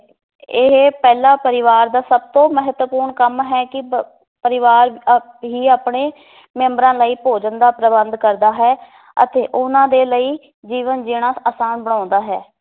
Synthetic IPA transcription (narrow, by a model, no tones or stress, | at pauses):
ɪɦpɛːlaːpəɾɪʋaːɾd̪aːsəb̚t̪õːməɦət̪wəpuːɾɳkəmɦɛːkɪ | pəɾɪʋaːɾ | ɦiːaːpɳeː | mɛ̃ːmbɾãːləiːpoːd͡ʒənd̪aːpɾəbənd̪kəɾd̪aːɦɛː | ə̰t̪eːʔʊnãːd̪eːləiː | d͡ʒiːʋənd͡ʒɪːɽ̃aːaːsaːnbəɽ̃ãːnd̪aːɦɛː